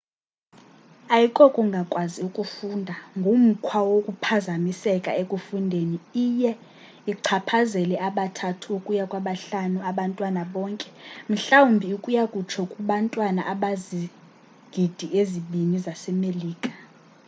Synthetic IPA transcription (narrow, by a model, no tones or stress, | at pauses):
ajikʼɔkʼuŋɡʱakʼwaziukʼufundʱaŋɡʱum̩kʰwawokʼupʰazamisɛkʼa̰ekʼufundʱeniijɛ | iǀʰapʰazɛlɛaɓatʰatʰuukʼujakʼwaɓaɬanuaɓantʼwanaɓɔːŋkʼɛm̩ɬawumbʱiukʼujakʼut͡ʃʰɔkʼuɓantʼwana̰ʔaɓazi | ɡ̥ʱid̥ʱiʔeziɓinizasɛmeliːkʼḁ